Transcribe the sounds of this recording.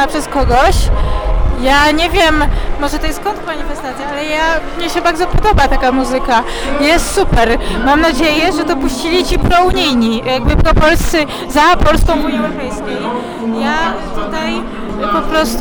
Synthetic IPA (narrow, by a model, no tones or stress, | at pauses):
apʂɛskɔɡɔɕ | jaɲɛvʲjɛmːɔʐɛt̪ɔjɛskɔnt̪kmaɲifɛst̪at̪sʲjaalɛjamɲɛɕɛbaɾd̪zɔpɔd̪ɔbat̪akamuzɘka | jɛst̪supɛɾmamnad͡ʑejɛʐɛd̪ɔpuɕt͡ɕilʲit͡ɕipɾɔuɲijɲijaɡ̚bɘpɾɔpɔlst̪sɘ | zapɔlskɔ̃w̃uɲiɛwɾɔpɛjskʲej | ja | t̪ut̪aj | pɔpɾɔst̪